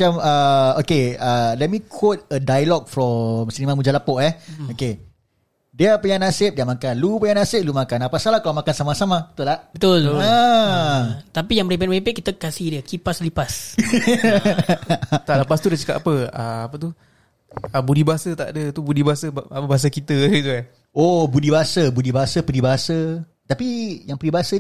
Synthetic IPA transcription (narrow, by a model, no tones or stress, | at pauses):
t͡ʃamaokeəlɛt̚mikʰot̪̚ədajalɔk̚fɾɔmsənimamud͡ʒalapɔʔɛoke | diapəɲãnasɪp̚diamakanlupəɲãnasɪp̚lumakanapasalahkalamakansamasamabət̪ulabət̪ʊla | t̪apijaŋməɾibɛʔwepeʔkit̪əkasihdiakipaslipas | t̪aləpast̪udat͡ʃə̥kapʔa̰pəəapət̪u | abudibaɦasət̪a̰ʔdət̪ubudibaɦasəapəbaɦas̬akit̪əɡit̪ua | obudibaɦasəbudibaɦasəpədibaɦasə | t̪apijaŋpədibaɦasə